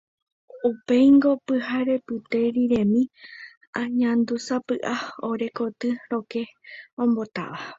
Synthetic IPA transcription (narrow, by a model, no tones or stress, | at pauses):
upe̞jŋɡo̞pɨɦaɾe̞pɨt̪e̞ɾiɾẽ̞mĩ | ãɲãnd̪usapɨʔao̞ɾe̞ko̞t̪ɨɾo̞ke̞õmbo̞t̪a̰ʋa